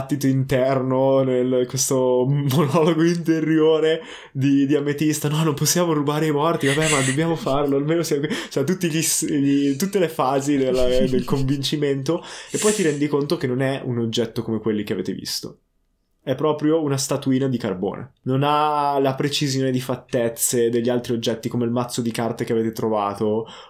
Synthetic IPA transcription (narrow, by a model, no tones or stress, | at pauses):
t̪ːit̪oint̪ɛrnonelkwest̪omonɔloɡoint̪eɾjoːɾe | d̪id̪iamet̪ist̪anɔnomposːjaːmorubaːɾeimɔrt̪ivabɛmad̪objaːmofarloalmeːnosjakit͡ʃɛt̪̬ut̪ːiʎisʎit̪ut̪ːelefaːzid̪elːad̪elkoɱvint͡ʃiment̪oepːɔjt̪iɾɛnd̪ikont̪ok̟enːonɛunod͡ʒːɛt̪ːokomekwelːik̟eavḛːt̪evḭst̪o̰ | ɛpːɾɔːpɾjounast̪at̪uiːnad̪ikarbo̰ːnʔḛnonalapɾet͡ʃizjoːned̪ifat̪ːɛt̪sːed̪eʎːalt̪ɾiod͡ʒːɛt̪ːikomeilmat̪sːod̪ikart̪ekeaveːt̪et̪ɾovaːt̪o